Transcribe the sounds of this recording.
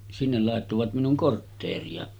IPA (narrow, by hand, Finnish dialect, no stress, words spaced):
sinːel lɑˑetːoʋɑt minuŋ kortːeːriɑ